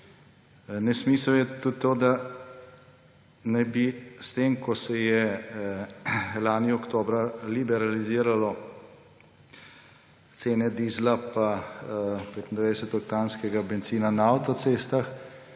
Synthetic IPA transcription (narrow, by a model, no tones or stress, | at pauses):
nɛsmisəjɛt̪ut̪ːoːd̪a | najbist̪eːmkɔsɛjɛ | laːniɔkt̪oːbɾalibɛɾaliziːɾalɔ | t̪seːnɛd̪izlapa | pet̪ind̪ʋɛjd̪ɛsɛt̪ɔkt̪aːnskɛɡabɛnt̪siːnanaːwt̪ɔtseːst̪ax